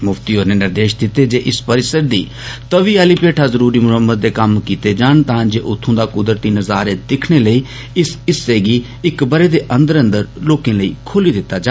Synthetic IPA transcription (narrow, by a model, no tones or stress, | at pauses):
mʊfʰt̪iːɦoːɾnenɪɾd̪eːʃd̪ɪt̪ed͡ʒeːʔɪspəɾɪsəɾd̪iː | t̪əʋiːaːliːpeːʈʰaːzəɾuːɾiːmʊɦəmːəd̪̚d̪eːkɐmkiːt̪ed͡ʒaːɳ̃t̪ãːd͡ʒeːʔʊt̪ʰːõːd̪aːkʊd̪ɾət̪iːnəzaːɾed̪ɪkʰɽ̃eːləiː | ɪsɪseːɡiː | ɪkbəɾeːd̪eːʔə̃nd̪əɾə̃nd̪əɾloːkẽːləḭːkʰoːliːd̪ɪt̪ːad͡ʒaː